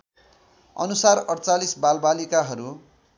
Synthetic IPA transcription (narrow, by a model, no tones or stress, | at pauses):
ʌ̰nusarʌɽt͡salisbalbalikaɦʌɾu